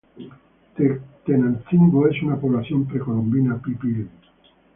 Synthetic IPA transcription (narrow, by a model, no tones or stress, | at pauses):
et̪enanθiŋɡoesunapoβlaθjompɾekolombinapipil